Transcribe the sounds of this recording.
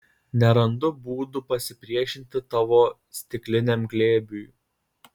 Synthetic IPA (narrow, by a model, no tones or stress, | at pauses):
nʲɛɾɐnd̪ʊbuːd̪ʊpɐsʲɪpʲɾʲiɛʃʲɪnʲt̪ʲɪt̪ɐʋoː | sʲt̪ʲɪklʲɪnʲɛmɡlʲeːbʲuj